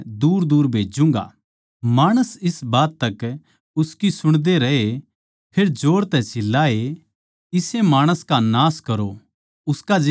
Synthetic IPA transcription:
d̪uːɾd̪uːɾbʱeːd͡ʒũŋɡa̰ | maːɽ̃əsɪsbaːt̪ːɐk | ʊskisʊɽ̃d̪eɾɐɦe | pʰeːɾd͡ʒoːɽt̪ɛsɪlːae | ɪsemaːɽ̃əskanaːskɐɾo | ʊskad͡ʒ

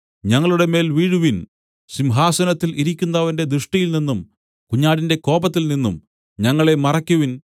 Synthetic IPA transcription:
ɲɐŋːɐɭuɽe̞me̞ːlʋiːɻuʋin | ɕimɦaːsɐnɐt̪ːilʔiɾikʲːunːɐʋɐnde̞d̪ɾɨʂʈɐjilninːum | kuɲːaːɽinde̞ko̞ːbɐt̪ːilninːṵm | ɲɐŋːɐɭe̞mɐrɐkʲːuʋin

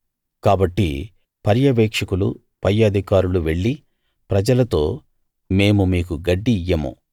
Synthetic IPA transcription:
kaːbɐʈːḭ | pɐɾjɐʋeːkʂɐkulṵ | pɐɾjɐd̪ʱikaːɾuluʋe̞ɭːi | pɾɐd͡ʒɐlɐt̪o̞ː | me̞ːmumiːkuɡɐɖːiːjɐmo̰

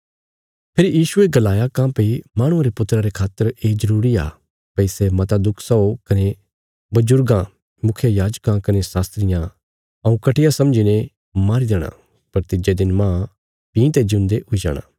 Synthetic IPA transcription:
pʰɪɾjiːʃʊeɡɐlaːjakãːpeimãːɽ̃ʊ̃ãɾepʊt̪ːɾaɾekʰaːt̪ːəɾeːzɐɾuːɾia̰ː | pɐisemɐt̪ad̪ʊkʰsɐokɐne | bɐd͡ʒʊɾɡã | mʊkʰjajaːd͡ʒkãkɐnesaːst̪ɾɪjã | ɐũkɐʈɪjasɐ̃md͡ʒinẽ | maːɾid̪eːɽ̃a̰ | pɐɾt̪ɪd͡ʒed̪ɪnmãː | pĩːt̪ed͡ʒɪʊ̃nd̪eʊid͡ʒa̰ːɽ̃a̰ː

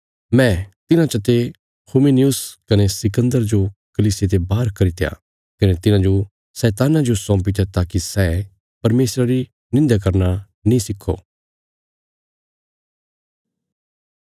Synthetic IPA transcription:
mɛ̃t̪ɪnãt͡ʃɐt̪e | kʰuminijʊskɐnesɪkə̃nd̪əɾd͡ʒokɐliːsɪjet̪ebaːɾkɐɾit̪eja̰ː | kɐnet̪ɪnãd͡ʒo | sɛːt̪aːnãd͡ʒosɔ̃ːpit̪at̪aːkisɛː | pɐɾmeːsɾaɾi | nɪ̃nd̪ak̬ɐɾna | nĩsɪkʰːo̰

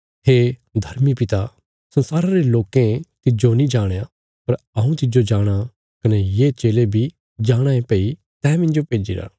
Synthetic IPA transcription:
ɦeːd̪ʱɐɾmipɪt̪a | sɐnsaːɾaɾeloːkẽt̪ɪd͡ʒonĩd͡ʒaːɽ̃ea | pɐɾ | ɐũt̪ɪd͡ʒod͡ʒaːɽ̃a | kɐnejet͡ʃeːlebʱi | d͡ʒaːɽ̃ãẽpɛi | t̪ɛ̃ːmɪ̃nd͡ʒopeːd͡ʒḭːɾa̰ː

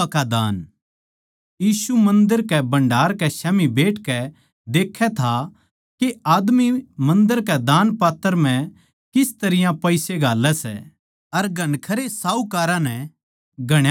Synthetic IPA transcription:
kad̪aːn | jiːsumɐ̃nd̪əɾkɛbɐ̃ɳɖaːɾkɛʃɛːmibeːʈkɛ | d̪eːkʰɛt̪ʰa | keʔaːd̪mimɐ̃nd̪əɾkɛd̪aːnpaːt̪ːəɾm̤ɛ̃ | kɪst̪ɐɾɪjãpɐɪseɡʱaːlːɛsɛ̰ | ɐɾɡʱɐnkʰɐɾesaːukaːɾãnɛ | ɡʱɐɽ̃

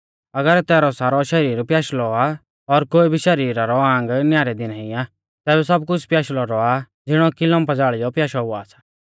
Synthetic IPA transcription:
ɐɡəɾt̪ɛːɾɔsaːɾɔʃɐɾiːɾpjaːʃlɔa | ɔɾkoːibʱiʃɐɾiːɾaɾɔãːŋ̆ɡnjaːɾɛd̪ɪnaɦĩa | t̪ɛːbɛsɐb̚kʊt͡ʃʰpjaːʃlɔɾɔa | d͡zɪɽ̃ɔkɪlɔ̃mpɐd͡zaːɭɪjɔpjaːʃaɦʊaːsḁ

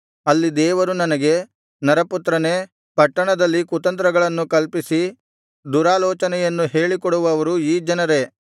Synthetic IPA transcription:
ɐlːid̪ɛːʋɐɾunɐnɐɡe̞ | nɐɾɐput̪ɾɐne | pɐʈːɐɳɐd̪ɐlːikut̪ɐnt̪ɾɐɡɐɭɐnːukɐlpisi | d̪uɾaːlɔːt͡ʃɐnɛjɐnːuɦe̞ːɭikɔɽuʋɐːʋɐɾuiːd͡ʒɐnɐɾe̞

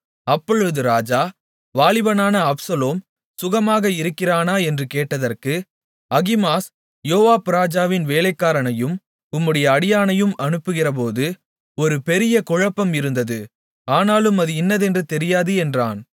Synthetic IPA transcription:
ɐpːɔɻɯðɯɾaːd͡ʒaː | ʋaːɭɪʋɐnaːnɐɐpsɐloːm | sʊɣɐmaːɣɐɪɾɯkːɪraːnaːɛndrɯkeːʈːɐðɐrkɯ | ɐɣɪmaːs | joːʋaːpɯɾaːd͡ʒaːʋɪnʋeːlɐɪkːaːɾɐnɐjɯm | ʊmːɯɽɐjɐːɽɪjaːnɐjɯmɐɳɯpːɯɣɪrɐp̬oːðɯ | ɔɾɯpɛɾɪjɐkɔɻɐpːɐmɪɾɯnd̪ɐðɯ | aːnaːlɯmɐðɯɪnːɐðɛndrɯt̪ɛɾɪjaːðɯɛndraːn

